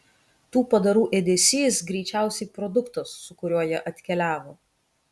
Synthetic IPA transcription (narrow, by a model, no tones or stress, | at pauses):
t̪uːpɐd̪ɐɾuːʔɛd̪ʲeːsʲiːsɡɾʲɛɪt͡ʃʲæˑʊsʲɛɪpɾɔd̪ʊkt̪osːʊkʊɾʲuɔjɛʔɐt̪ʲkʲɛlʲæːʋoː